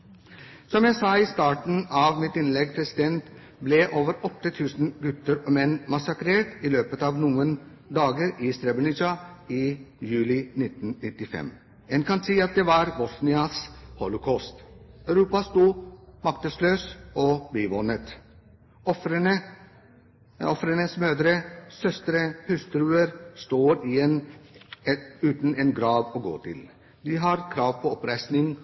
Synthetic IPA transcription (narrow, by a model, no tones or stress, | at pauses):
sɔmjæɪsɑːiːst̪ɑːʈn̩ɑːʋmɪt̪ɪnlɛɡ̚pʰɾɛsɪd̪ɛnt̪ | blɛʔoːʋəɾɔt̪ːət̪ʰʉːsn̩ɡʉt̪ːəɾɔmɛnːmɑsɑkɾeːʈiløːpət̪ɑːʋnuːən | d̪ɑːɡəɾɪːst̪ɾɛbənɪt͡ʃɑiːjʉːlɪnɪt̪n̩nɪt̪ːɪfɛ̰m | ɛnkɑnsiːɑt̪̚d̪ɛːʋɑɾbɔsnɪɑshɔlʊkʰɔst̪œʉɾuːpɑst̪uːmɑk̚t̪əsløːsɔbiːʋɔnət̪ | ɔfɾənə | ɔfɾənəsmøːd̪ɾəsœst̪ɾəhʉst̪ɾʉːəɾst̪oːɾɪɛn | ʉːt̪n̩eːnɡɾɑːʋɔːɡo̰ːt̪ʰɪ̰l | d̪iɦɑɾkʰɾɑːʋpʰɔɔpɾæɪsnɪŋ